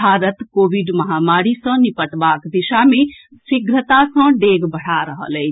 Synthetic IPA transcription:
aːɾət̪koːbiɖmɐɦaːmaːɽisə̃nipəʈbaːkd̪iʃamẽ | sɪɡɾət̪asə̃ɖeːɡbəɽ̤aɾəɦə̰lɛ

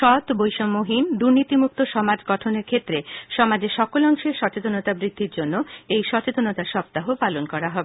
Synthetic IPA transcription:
ʃɔt̪bojʃomoɦind̪uɾnit̪imuk̚t̪oʃɔmad͡ʑɡɔʈʰoneɾkʰet̪ːɾeʃɔmad͡ʑeʃɔkolɔŋʃeʃɔt͡ɕet̪onot̪abɾid̪ʱːiɾd͡ʑonːoejʃɔt͡ɕet̪onot̪aʃɔb̚t̪aɦopalonkɔɾaɦɔbe

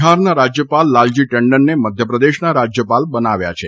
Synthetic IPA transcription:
ɦaɾnaɾad͡ʒjəpalːald͡ʒiʈəɳɖənːeməd̪ʱjəpɾəd̪eʃnaɾad͡ʒjəpalbənaʋja̰t͡ʃʰe

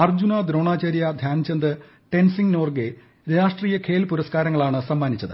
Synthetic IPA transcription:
ɐrd͡ʑunɐd̪ɾo̞ːɳaːt͡ɕɐɾjɐd̪ʱjaːnt͡ɕɐnd̪ɨ | ʈe̞nsiŋno̞ːrɡe | ɾaːʂʈriːjɐkʰe̞ːlpuɾɐskaːɾɐŋːɐɭaːɳɨsɐmːaːnit͡ɕːɐðɨ̰

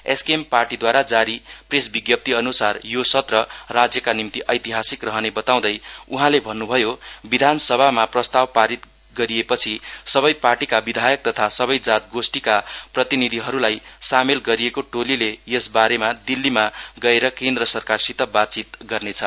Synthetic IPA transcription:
ḛskemparʈid̪waɾad͡zaɾipresbiɡjʌp̚t̪iʌnusarjosʌt̪rʌrad͡zjʌkanimt̪iʔʌjt̪iɦasikrʌɦʌnebʌt̪aw̃d̪ʌjuɦãlebʱʌnːubʱʌjobid̪ʱansʌbʱamaprʌst̪awpaɾit̪ | ɡʌɾijepʌt͡sʰisʌbʌjparʈikabid̪ʱajʌk̚t̪ʌt̪ʰasʌβʌjd͡zat̪̚ɡosʈikaprʌt̪inid̪ʱiɦʌɾulajsamelɡʌɾijekoʈolilejesbaɾemad̪ilːimaɡʌeɾʌkend̪rʌsʌrkarsit̪ʌbat̪̚t͡sit̪ɡʌrnet͡sʰʌ

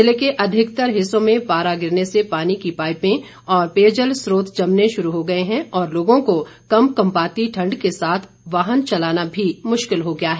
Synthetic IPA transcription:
ɪlekeʔɐd̪ʱɪkt̪əɾɦɪsõmẽpaːɾaɡɪɾnesepaːnikipaːɪpẽ | ɔːɾpeːd͡ʒəlsɾoːt̪ʰd͡ʒɐmneʃʊɾuɦoɡɐeɦɛ̃ɔːɾloːɡõkokɐmkɐ̃mpaːt̪iʈʰɐ̃ɳɖkesaːt̪ʰ | ʋaːɦənt͡ʃɐlaːnabʱimʊʃkɪlɦoɡɐjaɦɛː

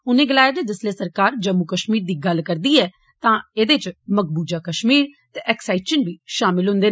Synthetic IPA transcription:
ʊnẽːɡəlaːjeːd̪eːd̪əsleːsəɾkaːɾd͡ʒəmːukəʃmiːɾd̪iːɡəlkəɾd̪iːɛː | t̪ãːed̪eːt͡ʃməkbuːd͡ʒaːkəʃmiːɾt̪eːʔɛksaːɪt͡ʃənbiːʃaːmɪlɦʊ̃nd̪eː

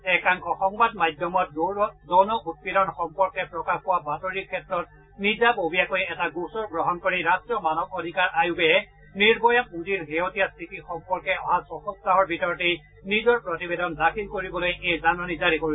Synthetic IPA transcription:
ɛkaŋkɔxɔŋbadmajdʱjɔmɔt̚zɔnɔʔut̚pidɔnxɔmpɔɹkɛpɹɔkabpʊwabatoɹikʰːɛtɹɔt | nizabobijakojɛtaɡusɔɹɡɹɔɦɔnkoɹiɹastɹɔmanɔkodʱikaɹʔajuɡɛɛ | niɹbɔjamuziɹɦeɦotijastʰitixɔmpɔɹkɛɔɦazɔxɔs̚taɦɔɹbʱitɔɹɔtej | nizɔɹpɹotibedɔndakʰilkoɹibɔlojʔejzanɔnizaɾikoɹi

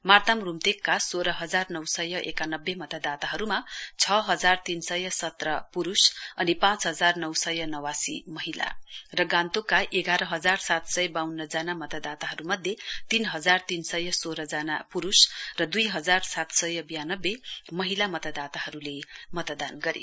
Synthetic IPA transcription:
mart̪amrumt̪ekːasoɾʌɦʌd͡zarnʌwsʌjʌʔekanʌbːemʌt̪ad̪at̪aɦʌɾumat͡sʰʌɦʌd͡zart̪insʌjʌsʌt̪rʌpuɾusʌnipãt͡sɦʌd͡zarnʌwsʌjʌnʌwasḭmʌɦila̰rʌɡãnt̪okːaʔeɡaɾʌɦʌd͡zarsat̪sʌjbawnːʌd͡zanamʌt̪ad̪at̪aɦʌɾumʌd̪ʱjet̪inɦʌd͡zart̪insʌjʌsoɾʌd͡zanapuɾusrʌd̪ujɦʌd͡zarsat̪sʌjʌbijanʌbːemʌɦilamʌt̪ad̪at̪aɦʌɾulemʌt̪d̪anɡʌɾḭ

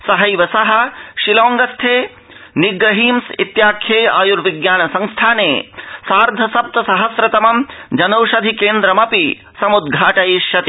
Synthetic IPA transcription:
sɐɦɐjʋɐsɐɦɐ̆ʃiloːŋɡɐst̪ʰeː | niɡɾɐɦiːmsḭt̪jaːkʰjeːa̰ːjuɾʋiɡjaːnɐsɐŋst̪ʰaːneːsaːɾd̪ʱɐsɐp̚t̪ɐsɐɦɐsɾɐt̪ɐmɐmd͡ʒɐnɐwʃɐd̪ʱikeːnd̪ɾɐmɐpi | sɐmud̪ɡʱaːʈɐjiʃjɐt̪i

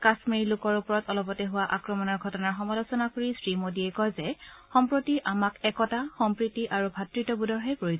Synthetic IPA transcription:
kasmiɹlʊkɔɹupɔɹɔtɔlɔpɔtɛɦʊwaʔakɹɔmɔnɔɹɡʱɔtɔnaɹxɔmalosɔnakoɹisɹimodiɛkɔjzɛxɔmpɹotiʔamakɛkɔtaxɔmpɹitiʔaɹubʱatɹitɔbudɔɹɦepɹoiz

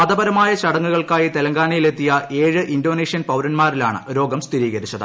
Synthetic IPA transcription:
ɐðɐbɐɾɐmaːjɐt͡ɕɐɽɐŋːuɣɐɭkaːjit̪elɐŋɡaːɳijile̞t̪ːijɐʔʔe̞ːɻɨʔindo̞ːneːʂijɐnpɐwɾɐnmaːrila̰ːɳɨ̰ɾo̞ːɡɐmst̪ʰiɾiːɣɐɾit͡ɕːɐðɨ̰

